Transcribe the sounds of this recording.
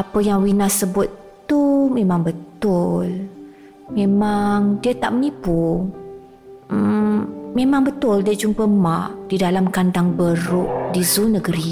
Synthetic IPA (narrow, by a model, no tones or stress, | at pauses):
apəjaŋwinasːəbʊt̪ːumemaŋbət̪ʊl | memaŋdiət̪a̰ʔmənipu | memaŋbət̪ʊldaʔd͡ʒumpəmaʔd̥idalamkandaŋbəɾʊʔdizunəɡəɾi